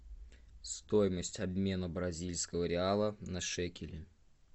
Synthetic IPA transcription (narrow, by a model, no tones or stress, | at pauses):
st̪ojɪməsʲtʲɐbʲmʲe̞nəbɾɐzʲilʲskəvəɾʲɪalˠənɐʂɛkʲɪlʲɪ